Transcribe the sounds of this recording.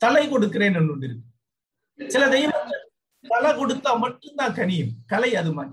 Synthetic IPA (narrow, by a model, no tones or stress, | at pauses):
t̪ɐlɐɪkɔɽɯkːɪreːnɛnɯɳɖɪɾɯkːɯ | sɪlɐd̪ɛjɐʋɐt̪ːɐ | t̪ɐlɐkɔɽɯt̪ːaːmɐʈːɯmd̪ãːkɐnɪjɯmkɐlɐɪɐðɯmaː